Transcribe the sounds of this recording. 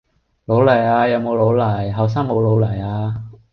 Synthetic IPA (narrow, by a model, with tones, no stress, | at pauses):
lo˨˥wlɐ˨˩jaː˧jɐ˨˧wmo˨˧wlo˨˥wlɐ˨˩jɦɐ˨˩ws̬aː˥ŋmo˨˧wlo˨˥wlɐ˨˩jaː˧